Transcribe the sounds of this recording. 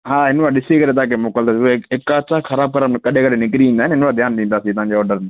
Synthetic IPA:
ɦaːɦɪnʋaɗɪsikɐɾet̪̬aãkemoːkəld̪aːsiekːasaxɐɾaːb̚kəɾəmkɐɗʱẽkɐɗ̤ʱenɪkɾiĩːn̆d̪aɦɪnɦɪnʋad̪ʱjaːnɗ̪ĩːnd̪aːsit̪ʊãɲd͡ʑeɔːɾɖəɾ

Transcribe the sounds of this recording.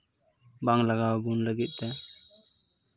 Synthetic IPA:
baŋlaɡawbunləɡit̪̚ˀt̪ɛ

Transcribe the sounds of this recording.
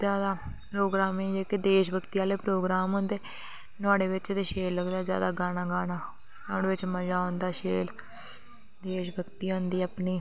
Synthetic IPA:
zjaːd̪aːpɾoːɡɾaːmeːd͡ʒeːkɪd̪eːʃbʱəkt̪iaːleːpɾoːɡɾaːmɦʊnd̪eː | nʊaːɽeːʋɪt͡ʃd̪eːʃeːlːəɡd̪aːzja̰ːd̪aːɡaːnaːɡaːnaː | naːɽeːʋɪt͡ʃməd͡ʒaːɦõnd̪aːʃeːl | d̪eːʃbʱəkt̪iːɦʊ̃nd̪iːəpniː

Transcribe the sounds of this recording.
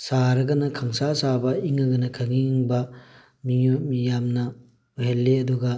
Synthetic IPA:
saɾɐɡɐnɐkʰaŋsasabɐiŋɐɡɐnɐkʰɐŋiŋbɐ | mijot̚mijamnɐ | uɦelːeɐduɡɐ

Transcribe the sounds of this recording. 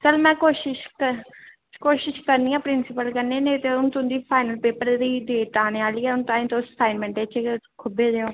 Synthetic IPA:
t͡ʃəlmɛ̃ːkoːʃɪʃkə | koːʃɪʃkəɾniːãːpɾɪnsɪpəlkəɾneːnẽːt̪eːʊñːt̪ʊnd̪iːpʰaːɪnəlpeːpəɾd̪iːdeːʈaːneːaːliːɛːʊnt̪ãːĩːt̪õsaːɪnmɛ̃ɳʈeːt͡ʃkʰʊbeːd̪eːoː

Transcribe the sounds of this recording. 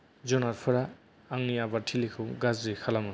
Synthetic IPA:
d͡ʒɔnaɾpʰɯɾaː | ŋniabaɾtʰilikʰɯɡazɾikʰalamɯ

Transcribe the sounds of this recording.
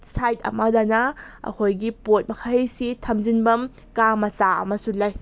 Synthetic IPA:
sajtɐ̰madanɐɐ̰kʰojɡipot̚mɐkʰajsitʰɐmzinbɐm | kamɐsaɐ̰mɐsulaj

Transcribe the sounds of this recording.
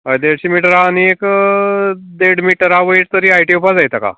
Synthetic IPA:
ɦəjd̪eɽɕimiʈəɾaːniek | d̪eɽmiʈəɾaʋəiʈt̪əɾiːajʈiupad͡zajt̪aka̰

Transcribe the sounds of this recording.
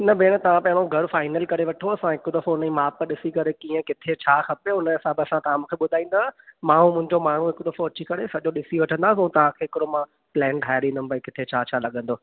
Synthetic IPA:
nɐbeːɽ̃t̪ɐʋ̤ãpɐ̃ɦɪ̃ɽ̃oɡʱɐɾʊfaːɪnəlkɐɾeʋɐʈʰoɐsãɦɪkʊd̪ɐfõʊnəimaːpɗɪsikɐɾekiːə̃kɪt̪ʰet͡ɕʰaːxɐpeʊnəɐsãbɪɐsãt̪ɐʋãmũːkʰeɓʊd̪ʱaːĩːnd̪aːmãːũmʊ̃ɦɪ̃ɲd͡ʑomaːɳ̤ũɦɪkʊd̪ɐfoɐt͡ɕikɐɾesɐʄoɗɪsiʋɐʈʰə̃nd̪aːsũːt̪ɐʋ̤ãkʰeːɦɪkɪɾomã | plɛ̃ːɳɖɦaːɪɾĩnd̪ʊn̆pɐĩkɪt̪ʰet͡ɕʰaːt͡ɕʰaːlɐɠə̃nd̪oː

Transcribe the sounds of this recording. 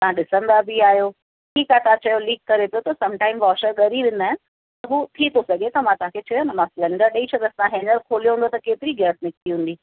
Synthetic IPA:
t̪ɐãɗɪsə̃nd̪abiaːɦjo | ʈʰiːkat̪ãt͡ɕɐjoliːkːɐɾep̪ijot̪ɐsɐ̃mʈaːɪmʋɔːʃəɾɠɐɾiʋɪ̃n̆d̪aːɦɪ̃n | t̪ɐɦuːt̪ʰit̪ʰosɐɡʱet̪ɐmãt̪ʊãkʰet͡ɕɐjonɐmãflɐ̃ɳɖəɾɗɐit͡ɕʰɐt̪ɐɐsãɦeːnəɾkʰoːlijoɦũnd̪ot̪ɐkeːt̪ɪɾiɡɛːsnɪkiɦũːn̆d̪iː

